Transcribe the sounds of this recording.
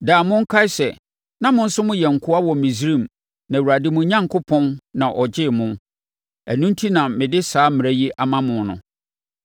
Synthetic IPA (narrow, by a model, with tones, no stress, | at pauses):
daː˨mʊ̃˦ŋ̩˦kʰa˦sɛ˨ | nã˦mʊ̃˦n̩˦sʊ˦mʊ̃˦jɛ˨ŋ̩˨kʰʊ˦a˦wɔ˨mĩ˨sɾĩ˦˨m | nã˨wu˨ɾa˨dɪ˦mʊ̃˨˦ɲã˦ŋkʰʊ˦pʰɔ̃˦nnã˨ʔɔ˨d͡ʑɪ˦˨mʊ̃˦ | æ̰˨nũ˦n˦tʰi˦nã˨mɪ̃˨dɪ˦saː˦mɪ̃˨ɾæ˦ji˦ʔa˨mã˦mʊ̃˨nnʊ̰̃˨